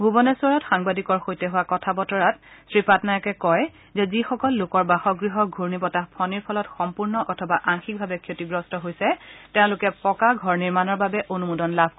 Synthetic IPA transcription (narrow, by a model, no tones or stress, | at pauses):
ɡubɔnɛsuɔɹɔtxaŋbadikɔɹxojtɛɦʊwakɔtʰabɔtɔɹatsɹipatnajakɛkɔj | zɛzixɔkɔlːokɔɹbaxɔɡɹiɦɔɡʱuɹnipɔtapʰɔniɹpʰɔlɔtxɔmpuɹnɔʔɔtʰɔbaʔaŋxik̚bʱabɛkʰjotiɡɹɔstɔɦojsɛtɛʊ̃lʊkɛpɔkaɡʱɔɹniɹmanɔɹbabɛʔonumudɔnlabʱ